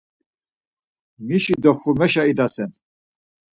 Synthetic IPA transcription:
miʃid̪ɔχumɛʃaid̪asɛn

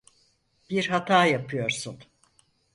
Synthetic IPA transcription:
b̥iɾɦat̪ʰaːjapʰɯjo̞ɾsun

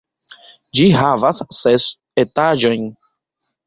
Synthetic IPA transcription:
d͡ʒiɦavasːes | etad͡ʒojn

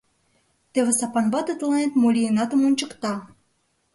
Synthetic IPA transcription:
t̪ĕβĕsɑpɑnbɑt̪ɤ̆t̪lˠɑnʲet̪molʲijenɑt̪ə̆monʲt͡ɕɤ̆kt̪ɑ

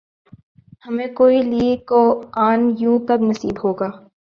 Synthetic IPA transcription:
hɐmẽkoːiliːkoaːnjũːkɐbnɐsiːbɦoːɡaː

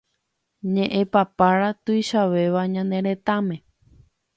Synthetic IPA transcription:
ɲẽʔẽpapaɾat̪ɨjʃaʋe̞ʋaɲãnd̪ẽɾ̃ẽt̪ãmẽ̞

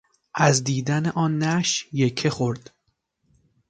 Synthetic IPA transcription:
ʔæzd̪iːd̪æneʔɒːnːæʃjekʰexoɾd̪̥

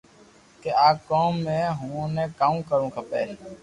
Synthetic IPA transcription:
keːaːkoːmːẽːɦũːnẽːkaːũːkəɾũːkʰəpḛː

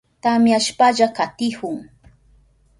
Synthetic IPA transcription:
t̪amjaʃpaʎakat̪ɪhʊŋ

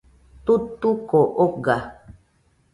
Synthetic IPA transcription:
t̪ut̪ukoʔoɡa

